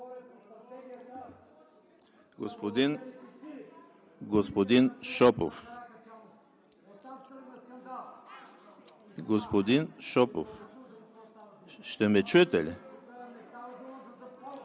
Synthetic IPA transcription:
ɡospod̪in | ɡospod̪inʃɔpo̰f | ɡospod̪inʃɔpo̰f | ʃt̪ɛmɛt͡ʃøt̪ɛlʲɛ

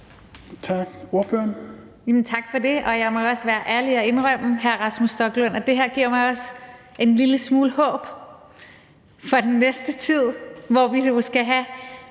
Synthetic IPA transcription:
t͡sʰɑɡ̥oɐføɐn | jɛmn̩t͡sʰɑ̈ɡ̥fɒ̽de̝ʔɒ̽jɑ̈ɪmɒɒ̽sʋæːɐʔæɐliɒe̝nʁœm̰ɦæɐʁɑ̈smusd̥ɒ̽ɡ̥lɔn̰ɒ̽d̥e̝ɦeɐ̰ɡ̥iɐ̰mɑ̈ɪɒ̽se̝nliləsmuːləhɔ̰̽ːb̥ | fɒ̈d̥enːesd̥ət͡sʰið̞̰ˠʋɒʋiosɡ̥æɦæ

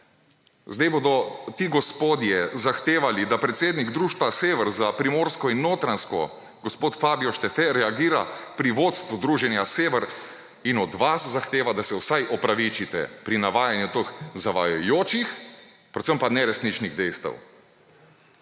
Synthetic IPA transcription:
zd̪ajboːd̪ɔt̪iɡɔspoːd̪jɛzaxt̪eːʋalid̪apɾɛt̪seːd̪niɡd̪ɾuːʃt̪ʋaseːʋɛɾzapɾimoːɾskɔinːoːt̪ɾanskɔ̰ | ɡɔspoːt̪faːbiɔʃt̪ɛfɛɾɛaɡiːɾa̰pɾiʋoːt̪st̪ʋud̪ɾuːʒɛnjaseːʋɛɾ | inɔd̪ʋaszaxt̪eːʋad̪asɛwsajʔɔpɾaʋit͡ʃit̪ɛ̰pɾinaʋaːjanjut̪oxzaʋa̰jojoːt͡ʃix | pɾɛt̪səmpanɛɾɛsniːt͡ʃniɣd̪ɛjst̪ɐ̰w

